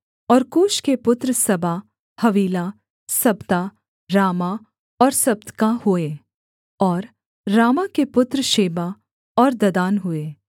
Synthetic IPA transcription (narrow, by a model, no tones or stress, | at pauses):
ɔːɾkoːʃkepʊt̪ɾəsɐbʱa | hɐʋiːlaː | sɐbt̪a | ɾaːma | ɔːɾsɐb̚t̪kahʊe | ɔːɾː | aːmakepʊt̪ɾəʃeːba | ɔːɾd̪ɐd̪aːnɦʊeː